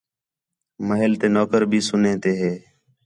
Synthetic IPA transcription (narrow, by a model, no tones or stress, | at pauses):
məɦɪlt̪eːnoːkəɾbʱiːsʊnẽːt̪eːɦeː